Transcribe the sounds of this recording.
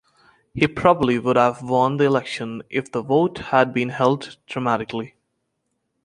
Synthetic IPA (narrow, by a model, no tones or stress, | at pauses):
hipʰɹ̥ɑbəbliwʊɾəvwʌ̃nd̪iɪlɛkʃə̃nʔɪfðəvoʊthəd̚bĩnhɛlˠddɹəmæɾɪkl̩i